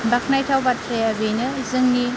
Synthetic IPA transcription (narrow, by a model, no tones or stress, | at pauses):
bak̚najtʰawbatʰɾejabejnɯzɯŋni